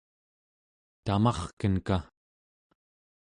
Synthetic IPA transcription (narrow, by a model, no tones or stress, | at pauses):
t̪amɑχkənka